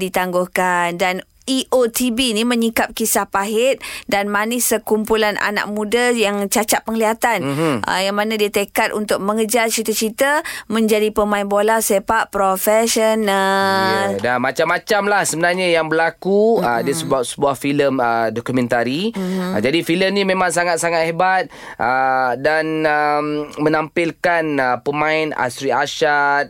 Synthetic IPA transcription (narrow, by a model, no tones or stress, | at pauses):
dit̪aŋɡʊhkandan | iʔot̪ʰibinĩmə̃ɲikap̚kisahpaɦɪt̪̚danmanɪhsəkumpulanʔa̰na̰ʔ̚mũdajaŋt͡ʃat͡ʃaʔpːəŋəliat̪anʔə̰jaŋmanãdiət̪əkat̪unt̪ʊk̚mə̃ŋəd͡ʒalt͡ʃit̪ət͡ʃɾit̪əmə̃ɲd͡ʒadipəmãinbolasepaʔpɾofɛʃonaldamat͡ʃamːat͡ʃamlahsəbənarɲajaŋbərlakuədiəsəbap̚sə̥buahfiləmədɔkumɛ̃nt̪aɾḭd͡ʒadifiləmnĩmemãŋsaŋat̪̚saŋat̪̚hebat̪̚ | ʔədanəmmənampɪlkanəpəmãɪna̰st̪ɾiaʃat̪̚